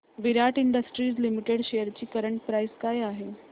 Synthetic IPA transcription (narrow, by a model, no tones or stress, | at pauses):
ʋiɾaʈiɳɖəsʈɾiːd͡zlimiʈeɽɕejəɾt͡ɕiːkəɾəɳʈ̚pɾajskajaɦe